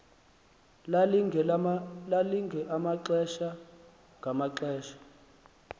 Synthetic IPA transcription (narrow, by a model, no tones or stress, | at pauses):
laliŋɡʱɛʔamaǁɛʃa | ŋɡʱamaǁɛːʃḁ